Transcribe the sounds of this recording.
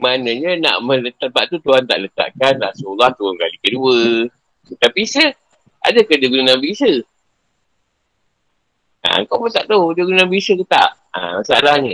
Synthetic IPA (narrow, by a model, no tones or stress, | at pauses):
manəɲəna̰ʔmə̃lət̪abaʔt̪ut̪uɦant̪a̰ʔlət̪a̰ʔkanrasulaht̪uaŋkalikəduə | t̪apisə | a̰dəkədəɡunənabiisə | a̰ə̰ŋkawmət̪aʔd̪owdəɡunənabisəkət̪a̰ʔ | a̰əsa̰daɲə